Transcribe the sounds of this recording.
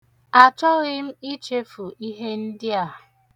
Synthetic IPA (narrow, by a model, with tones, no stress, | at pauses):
a˨t͡ʃɔ˦ɣɪ˦m̩˦i˦t͡ʃe˦fu˨ʔi˦ɦe˦n̩˦dɪ˦a˨